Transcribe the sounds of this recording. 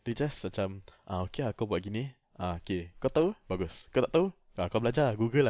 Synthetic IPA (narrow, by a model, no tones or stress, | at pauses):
rid͡ʒasat͡ʃamʔaokeakawbuaʔɡini | ʔaokekat̪awbaɡʊskawt̪aʔt̪aw | akawbəlad͡ʒaɡuɡəl